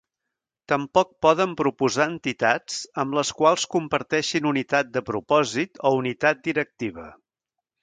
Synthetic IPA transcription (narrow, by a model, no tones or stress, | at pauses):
t̪əmpɔk̚pɔðəmpɾupuzaənt̪it̪at͡səmləskwalˠskumpəɾt̪ɛʃinunit̪at̪̚d̪əpɾupɔzit̪ɔunit̪at̪̚d̪iɾək̚t̪iβ̞ə̰